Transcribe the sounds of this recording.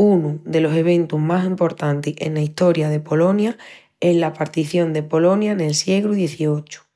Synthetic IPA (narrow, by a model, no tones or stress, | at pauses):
unud̪e̞lo̞se̞β̞ẽ̞nt̪uɦmasimpo̞ɾt̪ant̪eḛnlaist̪o̞ɾjaðe̞po̞lo̞nja | e̞zlapaɾt̪iθjo̞nd̪epo̞lo̞njane̞lsje̞ɣɾuðjeθio̞t͡ʃu̥